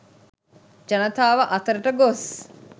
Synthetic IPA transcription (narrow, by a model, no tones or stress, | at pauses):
d͡ʒɐnət̪aːʋəʔɐt̪əɾəʈəɡos